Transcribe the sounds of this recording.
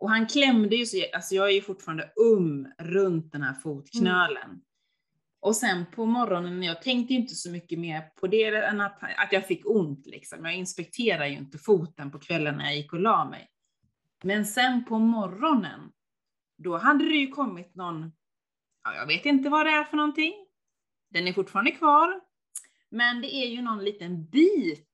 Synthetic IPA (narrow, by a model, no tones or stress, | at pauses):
ʔɔɦankʰlɛmːd̪əjɵsɔalsɔjɑːɡæjɵfʊʈːfːɾand̪əɵmːɾɵnt̪̚d̪ɛnhæ̰ːɾfuːt̪kʰnøːlə̰n | ʔɔsɛnpʰɔmɔɾːɔnənːjɑːɡ̚t̪ʰɛŋk̚t̪əjʏnt̪əsɔmʏkːəmeːɾpʰɔd̪ɛɛnːat̪a̰t̪jɑːɡfɪkːʊnt̪lɪ̰ksɔ̰mjɑːɡɪnspɛk̚t̪ʰeːɾad̪əjəɪ̰nt̪əfuːt̪ənpɔkʰvɛlːənːæ̰ɾjɑjɪkːɔlɑːmɛ̰j | mɛnsɛnpʰɔmɔrɔnə̰n | d̪ɔɦad̪ːəd̪ɛjɵkʰɔmːɪt̪nɔnː | a̰jɑ̰ːɡveːt̪ɪnt̪̬əvad̪ɛæɾfœɳɔnt̪ɪŋː | d̪̥ɛnæɾfʊʈːfɑːɾand̪əkʰvɑːɾ | mɛnd̪ɛʔæɾjɵnɔnliːt̪ənbiːt̪